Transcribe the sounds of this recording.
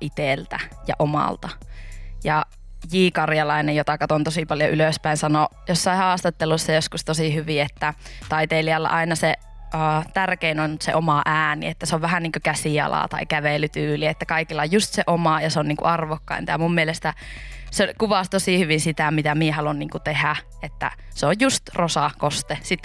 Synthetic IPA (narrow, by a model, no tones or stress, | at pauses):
ʔit̪elt̪æ̰jɑ̰ʔomɑ̰lt̪ɑjɑ | jiːkɑrjɑlɑinejjot̪ɑkɑt̪ont̪osipɑljoʔyløspæinsɑnojosːɑihɑːst̪ɑt̪ːelusːɑjoskust̪osihyʋiet̪ːæt̪ɑit̪eːliɑlːɑ̰ʔɑinɑse | əːt̪ærkeinonsḛʔomɑʔæːnḭet̪ːæseoʋʋæhænniːŋkøkæsiɑ̰lɑ̰ˑt̪ɑ̰ikæʋelyt̪yːliet̪ːækɑikilːɑojjust̪seʔomɑjɑseonniːŋkṵɑrʋokːɑ̰ḭnt̪ɑjɑmummielest̪æsekuʋɑst̪osihyʋinsit̪æmit̪æmiehɑlunniːŋkut̪ehæ | et̪ːæ̰seojjust̪rosɑkost̪esit̪ː